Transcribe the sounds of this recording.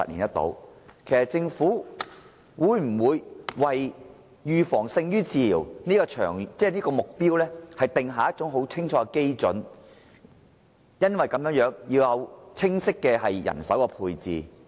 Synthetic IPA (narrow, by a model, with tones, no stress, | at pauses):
ɐ̰˨lḭː˨˩njɐ˥t̪o̰˨˥wkʰe˨˩jsɐ˨t̚t͡sɪ˧ŋfuː˨˥ | wuː˨˧jm̩˨˩wuː˨˧jwɐ˨j | jyː˨˧fɔː˨˩ŋsɪ˧ŋjyː˥t͡siː˨˧liː˨˩wniː˥kɔː˧t͡ʃʰœ̰ː˨˩ŋt͡sɛː˥˩niː˥kɔː˧mʊ˨k̚piː˥wlɛː˥hɐ˨jt̪ɪ˨ŋɦaː˨jɐ˥t̚t͡sʊ˨˥ŋɦo˨˥wt͡sʰɪ˥ŋt͡ʃʰɔː˧˥kɛ˧ke˥jt͡sɵ̰˨˥n | jɐ˥nwɐ˨jkɐ˨˥mjœː˨˥ŋjœː˨˥ŋji˧wjɐ˨˧wt͡sʰɪ˥ŋsɪ˥kːɛː˧ɦɐ˨jːɐ̰˨˩nsɐ˨˥wkɛ˧pʰuː˧jt͡sḭː˨